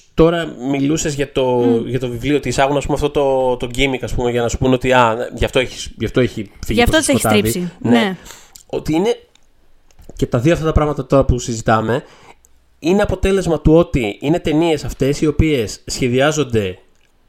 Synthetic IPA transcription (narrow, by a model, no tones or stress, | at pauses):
t̪o̞ɾɐmilusezʝɐt̪o̞ʝɐt̪o̞vivlioot̪isɐɣunɐspumeɐft̪o̞t̪o̞t̪o̞ɟimikɐspume̞ʝɐnɐsu̥puneo̞t̪iɐnʝɐft̪o̞eçi̥sʝɐft̪o̞eçifiʝifposost̪ɐvineo̞t̪iine̞ | ce̞t̪ɐðioɐft̪ɐt̪ɐpɾɐɣmɐt̪ɐt̪o̞ɾɐpusizit̪ɐme̞ | ineɐpo̞t̪e̞le̞zmɐt̪uo̞t̪iine̞t̪e̞nie̞sɐft̪e̞sio̞pie̞sːçe̞ðiɐzo̞nd̪e̞